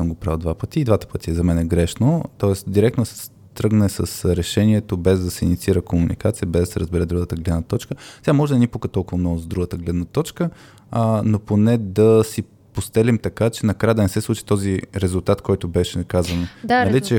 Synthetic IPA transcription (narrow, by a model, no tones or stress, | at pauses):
əmɡopɾavˠd̪vapət̪iːd̪vat̪ə̥pət̪iɛzɐmɛnɛɡɾɛʃnot̪ɔɛst̪d̪iɾɛk̚t̪od̪sɛ̥s | t̪ɾɤɡnɛsəsɾɛʃɛniɛt̪obɛzd̪ɐsɛinit̪siiɾəkomunḭkat̪sijəbɛzd̪ɐsɛɾəzbɛɾɛd̪ɾuɡət̪əɡlɛd̪nət̪ɔt͡ʃkəsɛɡamɔʒɛd̪ɐnipukət̪ɔlˠkʊvəmnɔɡʊzd̪ɾuɡət̪əɡlɛd̪nət̪ɔt͡ʃkə | noponɛd̪ɐsi | post̪ɛlimt̪ɐkat͡ʃɛnɐkɾajəd̪ɐnɛsɛslˠut͡ʃi̥t̪ɔziɾɛzʊlˠt̪at̪kɔjt̪ʊbɛʃɛkazvənnɐlit͡ʃɛ